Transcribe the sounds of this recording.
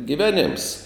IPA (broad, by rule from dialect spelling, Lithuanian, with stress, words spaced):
ɡʲɪˈʋʲæːnʲeːms